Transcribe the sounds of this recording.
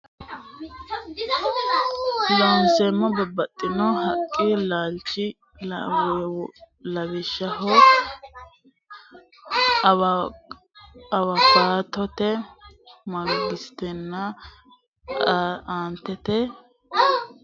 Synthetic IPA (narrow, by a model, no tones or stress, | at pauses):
lɐwnsɛmːɐbɔbɐt̪ʼːɪnɔhɐkʼːɪlaːlt͡ʃːɪ | w | lɐβɪʃɐɦɔ | ɐwɐɡaːt̪ɔt̪ɛ | mɐɡɪst̪ɛnːɐ | aːnt̪ːɛt̪ɛ